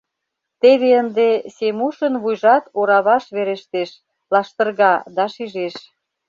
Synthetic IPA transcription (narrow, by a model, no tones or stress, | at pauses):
t̪eβeənd̪esemuʃənβujʒɑt̪oɾɑβɑʃβeɾeʃt̪eʃ | lɑʃt̪ə̆rɣɑd̪ɑʃiʒeʃ